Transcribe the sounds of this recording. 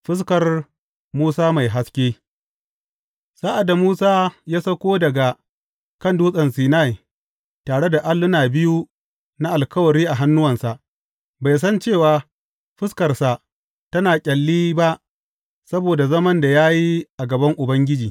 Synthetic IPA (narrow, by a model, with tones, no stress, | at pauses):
ɸɪ˦s̬kɐ˨r | muː˦saː˦ma˨jɦa˦skʲeː˦ | saː˦ʔa˨dːa˨muː˦saː˦jaː˦sɐ˦kʷoː˦dɐ˨ɡa˨ | kɐ˦nduː˦sʼɐ˨nsiː˨na˦˨j | taː˨ɽe˦da˨ʔa˦lːʊ˦naː˨bɪ˦ju˦ | na˦ʔa˨lkɐ˦wɐ˨ɾiː˦ʔa˨ɦa˦nːʊ˦wɐ˨nsa˨ʔ | ba˨js̬ɐ˦nt͡ʃe˦˨waː˨ | ɸɪ˦skɐ˨rsa˨ | tɐ˦naː˨kʲʼɐ˨lːiː˦ba˦ʔ | sɐ˦boː˨da˨zɐ˦mɐ˦nda˨jaː˦ji˦ʔa˨ɡɐ˨bɐ˦ŋʔʊ˨bɐ˦ŋɡʲɪ˦d͡ʒiː˨